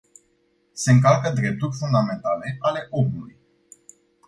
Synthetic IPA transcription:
se̞ɨŋkalkəd̪ɾe̞p̚t̪urʲfund̪ame̞nt̪ale̞ʔale̞ʔo̞muluj

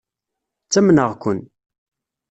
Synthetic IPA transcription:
t͡sːæmnəʁkʷʊn

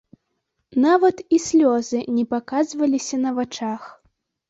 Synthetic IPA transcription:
navɐt̪isʲlʲɔzɨnʲɛpakazvɐlʲisʲɐnɐvat͡ʂax

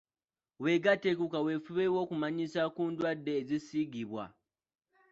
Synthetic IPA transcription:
weɡatekukawefuβewo̞kumaɲisakuːndwadːeːzisiɡiβwa̰

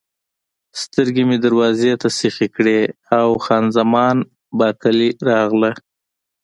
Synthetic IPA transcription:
st̪əɾɡemed̪aɾwɑzet̪asexekɽeawxɑnzamɑn | bɑkaliɾɑɣla

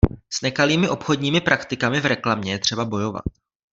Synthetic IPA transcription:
snɛkaliːmɪʔo̞pxo̞dɲiːmɪpɾʔakt̪ɪkamɪvɾɛklamɲɛjɛt̪r̝̥ɛbabo̞jo̞va̰t̪̚

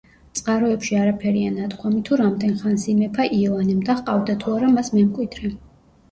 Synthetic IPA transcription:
t̪sʼqʼaɾɔɛpʃiaɾapʰɛɾianat̪kʰwamit̪ʰuɾamd̪ɛnχansimɛpʰaʔiɔlanɛmd̪aχqʼavd̪at̪ʰuaɾamasmɛmkʼwid̪ɾɛ

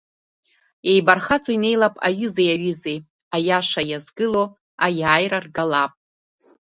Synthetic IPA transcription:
ejbarχat͡sʰʼoine̞jlapʼa̰ɥɨzejaɥɨzej | ajaʂajazɡɨlo | ajaːjrarɡalapʼ

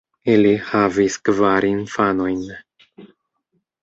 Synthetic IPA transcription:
ilihaviskvaɾinfano̞jn

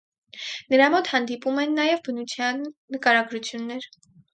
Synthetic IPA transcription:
nəɾɑmɔt̪hɑnd̪ipumɛnːɑjɛvbənut͡sʰjɑnːəkɑɾɑɡɾut͡sʰjunːɛɾ

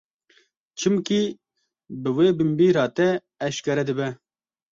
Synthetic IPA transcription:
t͡ʃʰɨmki | bɨweːbɨmbiːɾɑːt̪ɛː | ʃkɛɾɛd̪ɨbɛ

